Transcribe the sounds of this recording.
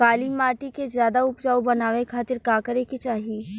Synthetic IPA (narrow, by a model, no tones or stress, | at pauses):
kaːliːmaːʈikezjaːd̪aʊpd͡ʒaːubɐnaːʋekʰaːt̪ɪɾkaːkəɾeket͡ʃaːɦi